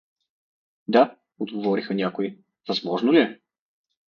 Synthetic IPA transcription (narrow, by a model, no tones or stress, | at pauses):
d̪a | od̪ɡovɔɾixənʲakoi | vɐzmɔʒnʊliɛ